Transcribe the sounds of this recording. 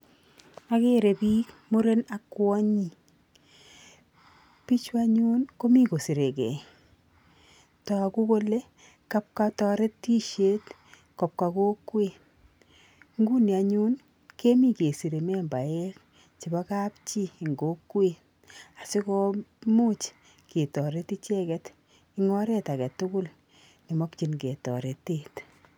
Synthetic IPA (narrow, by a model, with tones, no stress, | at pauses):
a˦ke˦ɾe˨bi˦kmu˦ɾe˦na˨kːwɔ˦ɲi˦˨ | pi˦t͡ʃwa˦ɲu˦nko˦mi˦ko˨si˨ɾe˨kɛ̰˨ | tɔ˨a˨ku˦ko˦le˦ | ka˦p̚ka˦tɔ˦ɾe˦tːi˦ʃe˦t | kɔ˨p̚ka˨ko˦kːwe˦˨ | ŋɡu˦nia˨ɲu˦n | ke˦mi˦ke˨si˨ɾe˨me˦mba˨e˦k̚ | t͡ʃi˨ba˦ka˦pt͡ʃi˦˨ŋɡo˦kːwe˦ | a˨si˦kɔ˦mu˦t͡ʃ | ke˨tɔ˨ɾe˦ti˦t͡ʃɛ˦kɛ˦t | i˦ŋɔ˦ɾe˦ta˨kɛ˨tʊ˦kʊ˦l | ni˨mɔ˦k̚t͡ʃi˦nke˨tɔ̰˨ɾe˨tːeːt